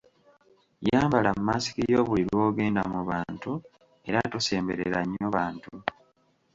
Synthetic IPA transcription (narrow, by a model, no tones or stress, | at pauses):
jaːmbalammaːsi̥kijoːβuliɾwo̞ːɡe̞ːnda̰muβaːntu | e̞ɾatose̞ːmbe̞ɾeɾaɲːoβaːntu